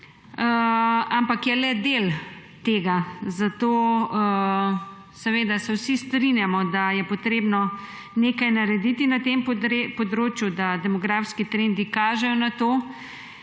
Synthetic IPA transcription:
əampakjɛlɛd̪el | t̪eːɡazat̪oːə | sɛʋeːd̪asɛwsist̪ɾinjamɔd̪ajɛpɔt̪ɾeːbnɔ | neːkajnaɾɛd̪it̪inat̪emp̪ɾepɔd̪ɾoːt͡ʃjud̪ad̪ɛmɔɡɾaːfskit̪ɾend̪ikaːʒɛjɔnat̪oː

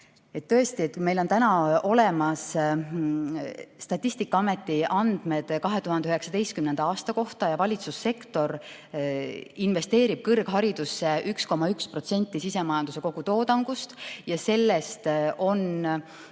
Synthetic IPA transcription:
et̪ːɤ̞est̪iet̪̚kume̞jlo̞nt̪ænɑo̞le̞mɑs | st̪ɑt̪ʲːˑist̪ikːˑɑɑme̞t̪ːˑiʔɑnd̪̥me̞d̪̥kɑɦe̞t̪uhɑnd̪eøɦeksɑd̪e̞jst̪̚kymne̞nd̪ɑɑːst̪ɑko̞ht̪ɑjɑvɑlʲit̪susːe̞kt̪o̞ɾ | inve̞st̪e̞ːɾib̥̚kɤrɡ̥ɦɑɾid̪̥usːe̞ʔyksko̞mɑykspro̞t̪se̞nʲt̪ːˑisise̞mɑjɑnd̪̥use̞ko̞ɡ̥ut̪o̞ːd̪ɑŋɡ̥ust̪jɑse̞lːe̞st̪ʔo̞n

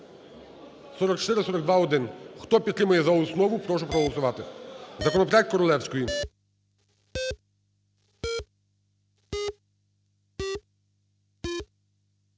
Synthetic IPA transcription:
sɔɾɔk̚t͡ʃt̪ɪɾɪsɔɾɔɡd̪ʋɑɔd̪ɪnxt̪ɔpʲid̪t̪ːɾɪmʊjɛzɐɔsnɔʋʊpɾɔʃ̬ɛpɾɔɦɔlˠɔsʊʋɑt̪ɪzɐkɔnɔpɾʲjɛkt̪̚ʲkɔɾɔlˠɛwsʲkɔji

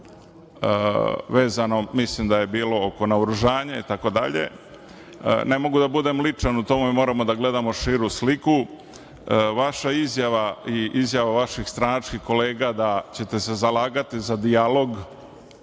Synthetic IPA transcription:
əʋe̞ːzano̞mislimd̪aje̞biːlo̞oko̞nauɾuʒaːɲait̪ako̞d̪a̰ʎḛ | ne̞mo̞ɡud̪abud̪e̞mlit͡ʂanut̪o̞mumimo̞ːɾamo̞d̪aɡle̞d̪amo̞ʃiːɾusliku | ʋaʃaizjaʋaiʔizjaʋaʋaʃixst̪ɾanat͡ʃkixko̞le̞ːɡad̪at͡ɕe̞t̪e̞se̞zalaːɡat̪izad̪ialo̞ɡ

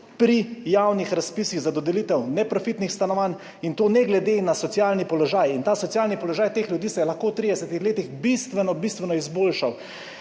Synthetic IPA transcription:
pɾijawnixɾaspiːsiɣzad̪ɔd̪ɛliːt̪ɛwnɛpɾɔfit̪nixst̪anɔʋaːn | int̪oːnɛɡlɛd̪enasɔt̪sjalnipɔlɔʒaːjint̪aːsɔt̪sjaːlnipɔlɔʒaːjt̪eːxlʲjud̪iːsɛjɛlaxkoːwt̪ɾid̪ɛsɛt̪ixleːt̪ixbist̪ʋɛnɔbist̪ʋɛnɔizboːlʃaw

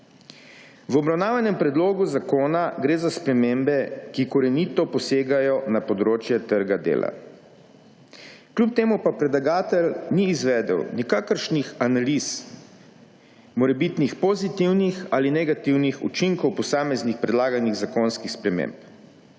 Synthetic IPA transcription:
ʋɔbɾawnaːʋanɛmpɾɛd̪loːɡuzakoːnaɡɾeːzaspɾɛmembɛkikɔɾɛnit̪ɔpɔseːɡajɔnapɔd̪ɾoːt͡ʃjɛt̪əɾɡad̪ḛːla̰ | klʲup̚t̪eːmupapɾɛd̪laɡaːt̪ɛlniːzʋɛːd̪ɛ̰wnikaːkəɾʃnixanalis | mɔɾɛbit̪nixpɔzit̪iwnixaːlinɛɡat̪iwnixṵt͡ʃiŋkɔwpɔsaːmɛznixpɾɛd̪laːɡaniɣzakoːnskixspɾɛmḛ̃ːmp

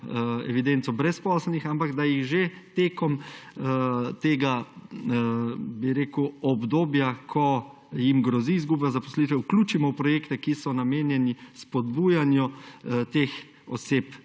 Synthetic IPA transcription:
ɛ̰ʋid̪ɛnt̪sɔbɾɛspɔsɛlnixampaɡd̪ajiɣʒet̪eːkɔm | t̪eːɡa | biɾeːkuɔbd̪oːbjakʰɔ | jimɡɾɔziːzɡublazapɔ̥slit̪ʋɛwkluːt͡ʃimɔwpɾɔjeːkt̪ɛkisɔnameːnjɛnispɔd̪buːjanjɔt̪ex | ɔ̰seːp

